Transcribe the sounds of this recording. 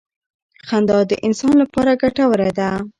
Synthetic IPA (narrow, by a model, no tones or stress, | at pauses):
xand̪ɑd̪ə̰ʔɪnsɑnlapɑɾaɡaʈawəɾed̪a